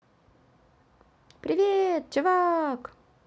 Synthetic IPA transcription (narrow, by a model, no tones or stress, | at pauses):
pɾʲɪvʲet̪̚t͡ɕʊvak